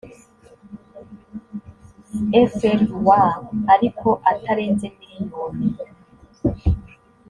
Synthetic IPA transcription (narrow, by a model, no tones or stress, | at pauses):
efeɾwaaɾikʰo̞ʔatʰaɾe̞ːnzemiɾiɲoːmi